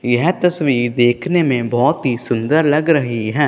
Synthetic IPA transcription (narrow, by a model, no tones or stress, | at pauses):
jɛɦt̪ɐsʋiːɾd̪eːkʰnemẽbɔːt̪ɦisʊ̃nd̪əɾlɐɡɾɐɦiɦɛ̃ː